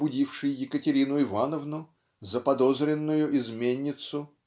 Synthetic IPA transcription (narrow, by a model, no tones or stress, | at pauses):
bʊdʲifʂɨjjɪkətʲɪɾʲinʊɪvanəvnʊ | zəpɐd̪o̞zɾʲɪnːʊjʊʔɪzmʲenʲːɪt̪sʊ